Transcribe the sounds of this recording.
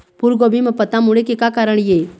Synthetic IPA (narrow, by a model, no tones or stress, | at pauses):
puɾɡoːbimepət̪amuɽekekakaːɾəɳ̃je